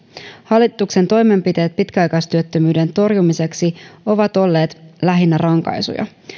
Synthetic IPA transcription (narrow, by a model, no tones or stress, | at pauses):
hɑlːit̪ːˑukse̞nt̪o̞jme̞mpit̪e̞ːt̪̚pit̪kæɑjkɑjst̪yøt̪ːømyːde̞nt̪o̞rjumise̞ksio̞ʋɑt̪o̞lːe̞ːt̪læɦinːærɑŋkɑ̰jsṵjɑ̰